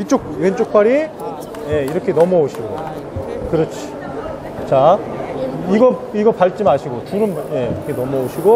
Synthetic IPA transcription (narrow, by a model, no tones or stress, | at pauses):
it͡ɕ͈ok̚went͡ɕ͈ok̚p͈aɾi | je̞iɾʌkʰe̞nʌmʌoɕʰiɡo | kɯɾʌt͡ɕʰi̥ | t͡ɕa | iɡʌiɡʌpaɭt͡ɕ͈imaɕʰiɡotuɾɯmje̞ɾkʰenʌmʌoɕʰiɡo